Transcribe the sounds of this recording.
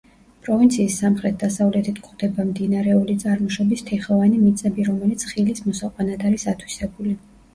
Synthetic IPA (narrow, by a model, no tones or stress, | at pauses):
pʼɾɔvint̪sʰiːsːamχɾɛt̪̚ʰd̪asavlɛt̪ʰit̪ʰkʼχd̪ɛbamd̪inaɾɛulit̪sʼaɾmɔʃɔbist̪ʰɛχɔvanimit̪sʼɛbiɾɔmɛlit̪sʰχilismɔsaqʼwanad̪aɾisat̪ʰwi̥sɛbuli